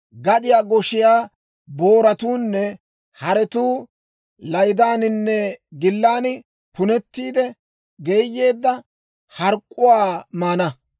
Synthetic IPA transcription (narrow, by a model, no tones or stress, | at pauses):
ɡɐɗ̪ɪjaːɡɔʃɪjaː | bo̞ːɾɐt̪uːnːɛ | hɐɾɛt̪uː | lɐjd̪aːnɪnːɛɡɪlːaːnɪ | pʊnɛt̪ːiːd̪ɛ | ɡe̞ːjːe̞ːd̪ːɐ | hɐɾkʼːʊwaːmaːnɐ